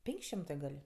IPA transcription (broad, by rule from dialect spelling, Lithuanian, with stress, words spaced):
ˈpʲɛŋʲkʲ ˈʃʲɪmtɜ ɡɐlʲ